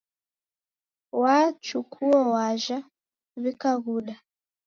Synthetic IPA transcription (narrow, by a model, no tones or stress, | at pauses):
wat͡ʃukʰuɔwaʒa | βikaɣuɗa